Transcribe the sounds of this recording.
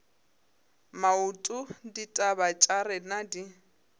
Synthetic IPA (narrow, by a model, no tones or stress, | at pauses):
mautʼʊditʼabat͡ʃʼarɪnadi